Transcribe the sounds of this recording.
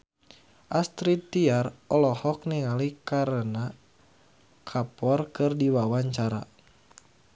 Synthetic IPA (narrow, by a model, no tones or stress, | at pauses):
ʔast̪ɾit̪iarɔlɔhɔk̚niŋalikaɾəna | kʰapɔrkɨrdiwawaɲt͡ʃaɾa̰